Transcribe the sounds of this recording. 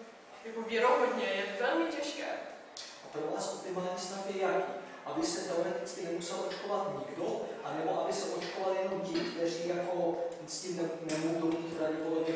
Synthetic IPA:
kovjɛɾoɦodɲɛjɛvɛlmɪcɛʃkɛ̰ː | ʔap̪ɾovlaskup̪ɪmaːɲisnaxjɛjakḭʔabɪsɛt̪ɛo̞ɾɛt̪ɪt͡skɪnɛmusɛlʔo̞t͡ʃko̞vat̪ɲɪɡdoʔanɛbo̞ʔabɪsɛʔo̞t͡ʃkovaljɛnomcɪkt̪ɛriːjako̞ | scimnɛnɛmoɦowt̪omiːt̪ɾadɪpolobɲɛ

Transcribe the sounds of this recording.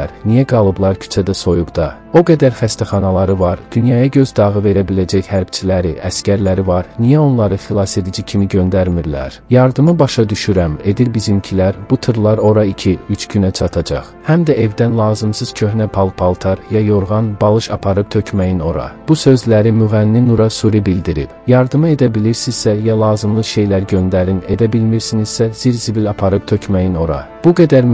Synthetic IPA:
æɾnijæɡɑlˠɯblˠɑɾcʰy̥t͡ʃʰæd̪æso̞juɡd̪ɑ | o̞ɡæd̪æɾχæst̪ʰæχɑnɑlˠɑɾɯvɑɾd̪̥ynjɑjɑɟø̞zd̪ɑʁɯve̞ɾæbilæd͡ʒæçhæɾb̥t͡ʃʰilæɾiʔæscæɾlæɾivɑɾnijæo̞nlˠɑɾɯχilˠɑse̞d̪id͡ʒicʰimiɟø̞nd̪æɾmiɾlæ̰ɾjɑɾd̪ɯmɯbɑʃɑd̪yʃyɾæme̞d̪iɾbizimcʰilæɾbut̪ʰɯɾlˠɑɾo̞ɾɑicʰiyt͡ʃʰɟynæt͡ʃʰɑt̪ʰɑd͡ʒɑ̰χhæmd̪æʔe̞vd̪ænlˠɑːzɯmsɯz̥cʰø̞hnæpʰɑlˠpʰɑlˠt̪ʰɑɾjɑjo̞ɾʁɑnbɑlˠɯʃɑpʰɑɾɯp̚t̪ʰø̞cʰmæjino̞ɾɑ̰b̥usø̞zlæɾimyɣænːinuɾɑsuɾibild̪iɾḭb̥jɑɾd̪ɯmɯe̞d̪æbiliɾsiz̥sæjɑlˠɑːzɯmlˠɯʃe̞jlæɾɟø̞nd̪æɾine̞d̪æbilmiɾsiniz̥sæz̥iɾzibilɑpʰɑɾɯp̚t̪ʰø̞cʰmæjino̞ɾɑ̰ | b̥uɡæd̪æɾ

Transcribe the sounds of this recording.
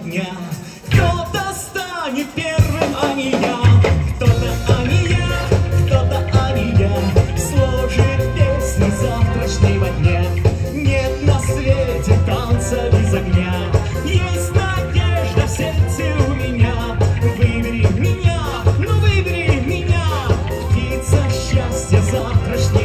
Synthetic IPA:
nʲa | kt̪ot̪əst̪anʲɪt̪̚pʲervɨmɐmʲɪnʲakt̪ot̪əɐmʲɪnʲakt̪ot̪əɐmʲɪnʲaslˠoʐɨt̪̚pʲesʲnʲɪzaft̪ɾət͡ɕnəjvɐdʲnʲe | nʲet̪nɐsvʲetʲɪt̪ant̪səbʲɪzɐɡnʲa | jesʲtʲnɐdʲeʐd̪əfsʲert̪sɨʊmʲɪnʲa | vɨbʲɾʲɪmʲɪnʲa | novɨbʲɾʲimʲɪnʲa | ptʲit̪səɕːasʲtʲjəzaft̪ɾət͡ɕnɨ

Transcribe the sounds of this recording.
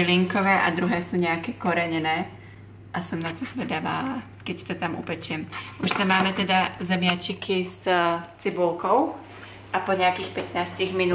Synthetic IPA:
liŋkɔʋɛːʔa̰d̪ɾuɦɛːsuːɲɛakɛkɔɾɛɲɛnɛː | ʔasɔmnat̪ɔzʋɛd̪aʋaːla | kɛcsi̥t̪ɔt̪amṵpɛt͡ʃɪɛmʔuʃt̪amːaːmɛt̪ɛd̪azɛmɪat͡ʃikʰizt͡sibulˠkɔʊ | ʔapɔɲɛakiːxpɛt̪naːsciɣmin

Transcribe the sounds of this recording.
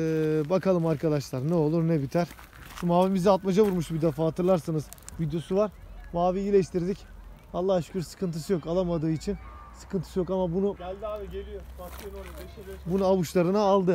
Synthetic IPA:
ɛːbakʰalˠɯmaɾkʰad̪aʃlˠaɾnɛo̞lˠuɾnɛbit̪ʰæɾ̥ | ʃumaːvimizialt̪mad͡ʒavuɾmuʃbid̪efaːat̪ʰɯɾlˠaɾsanɯz̥ | vid̪jo̞suvaɾ | maːvijiːlʲɛʃt̪ʰiɾd̪ic | alˠːahʃcyɾsɯ̥kʰɯnt̪ʰɯsɯjo̞kalˠamad̪ɯːit͡ʃʰinsɯ̥kʰɯnt̪ʰɯ̥sɯjo̞kamabunu | i | bunuaβuʃlˠaɾɯnaːlˠd̪ɯ

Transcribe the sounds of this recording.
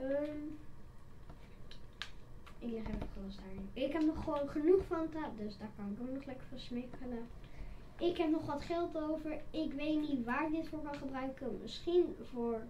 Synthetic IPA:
əm | ɪklɪχevəχəlɔsdaːɹɪnɪkɦɛpnɔχəʋownχənuχfɑntɛdøsdaːɹkɑnɪkoknɔχlɛkəɹfɑnsmekənə | ʔɪkɦɛpnɔχʋɑtχɛlˠtowvəɹɪkʋejtnitʋaːɹɡdɪtfʊːɹkɑlχəbrœɥkənmɪ̰sχinvʊːɹ

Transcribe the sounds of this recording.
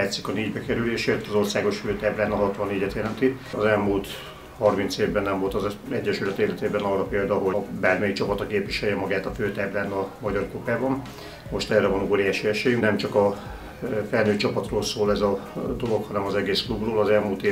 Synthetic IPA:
aːt̪sikɒneːɟbɛkɛɾyleːʃeːt̪ɒzo̞rsaːɡo̞ʃføːt̪aːblaːnɒɦɒt̪ʋɒnːeːɟɛt̪jɛlɛnt̪i | ɒzɛlmult̪ | hɒrmint̪seːvbɛnːɛɱvo̞lt̪ɒzɛɟːɛʃyɾɒt̪eːlɛt̪eːbɛnɒːrːɒpeːld̪ɒɦobaːrmɛjikt͡ʃɒpɒt̪ɒkeːpʋiʃɛjɛmɒɡaːt̪ɒføːt̪aːblaːnɒmɒɟɒrkopaːbɒn | mo̞ʃt̪ɛrɛvɒnoːɾijaːʃiɛʃeːjymnɛmt͡ʃɒkɒ | fɛlnøːt͡ʃɒpɒt̪roːlsoːlɛzɒd̪o̞lo̞khɒnɛmɒzɛɡeːsklubroːlɒzɛlmult̪eː

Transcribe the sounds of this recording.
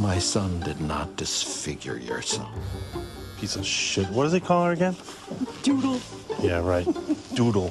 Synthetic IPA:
maɪsʌ̃ndɨdⁿnə̰t̚d̥ɨsfɪɡjə̰˞jə̰˞sɛ̰lˠf | pʰisʌv̥ʃɪt̚wʌt̚d̥ʌzeɪkʰɔlˠə˞ɨɡɛ̃n | d̥uɾl̩ˠ | jæɹaɪt̚d̥uɾl̩ˠ

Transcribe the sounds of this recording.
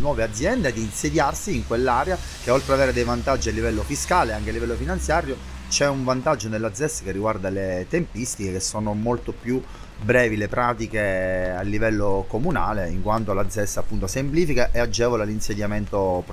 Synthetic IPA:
nwɔːvead̪zːjɛnd̪ed̪ːiːnsed̪jarsiːŋkwelːaɾea | k̟eolt̪ɾeavɛːɾed̪ejvant̪ad͡ʒːialːivɛlːofiskaːleaŋkealːivɛlːofinant̪sjaːɾjo | t͡ʃɛuɱvant̪ad͡ʒːonelːad̪zːɛsːḁkerːiɡward̪alet̪empist̪ikekesːoːnomolt̪opju | bɾɛːvilepɾaːt̪ikealːivɛlːokomuna̰ːleiŋkwant̪olad̪zːɛsːapːunt̪osempliːfikaʔead͡ʒɛːvolalinsed̪jament̪op

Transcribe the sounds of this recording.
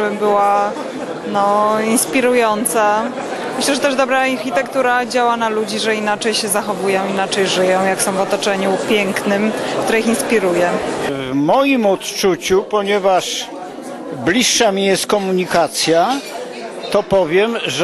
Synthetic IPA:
bɘmbɘwa | nɔinspʲiɾujɔnt̪sa | mɘɕlɛʐɛt̪ɛʐd̪ɔbɾaːaɾxʲit̪ɛkt̪uɾad͡ʑawanalud͡ʑiʐɛinat͡ʂɛjɕɛzaxɔvujɔ̃w̃inat͡ʂɛjʐɘjɔ̃w̃jaksɔ̃w̃vɔt̪ɔt͡ʂɛɲupʲjɛŋknɘmkt̪uɾɛixinspʲiɾujɛvmɔjimɔt̪t͡ʂut͡ɕupɔɲɛvaʂ | blʲiʂːamʲijɛst̪̚kɔmuɲikat̪sʲja | t̪ɔpɔvʲjɛmʐ

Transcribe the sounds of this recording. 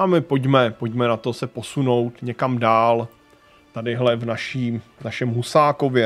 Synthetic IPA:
amɪpoɟmɛpocmɛnat̪o̞sɛpo̞suno̞wt̪ɲɛkamdaːl | t̪adɪɦlɛvnaʃiːnaʃɛmɦusaːko̞vjɛ

